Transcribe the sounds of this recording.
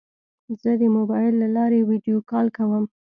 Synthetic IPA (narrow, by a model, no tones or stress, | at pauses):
zəd̪əmʊbɑjɪlːalɑɾewiɖjokɑlkawəm